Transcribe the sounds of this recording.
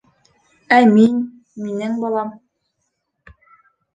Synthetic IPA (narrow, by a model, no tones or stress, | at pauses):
æmin | minɘŋbɑlˠɑm